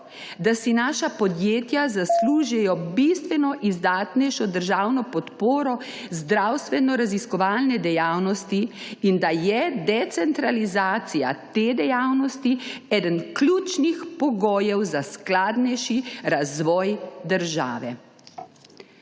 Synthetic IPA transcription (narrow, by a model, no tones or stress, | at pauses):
d̪asinaːʃapɔd̪jeːt̪jazasluːʒɛjɔbist̪ʋɛnɔʔizd̪aːt̪nɛjʃɔd̪əɾʒaːwnɔpɔt̪poːɾɔ | zd̪ɾawst̪ʋɛnɔɾaziskɔʋaːlnɛd̪ɛjaːwnɔst̪iind̪ajɛd̪ɛt̪sɛnt̪ɾalizaːt̪sija̰t̪eːd̪ɛjawnɔst̪iɛːd̪ənklʲuːt͡ʃnixpɔɡoːjɛwzasklaːd̪nɛjʃiɾazʋɔːjd̪əɾʒa̰ːʋɛ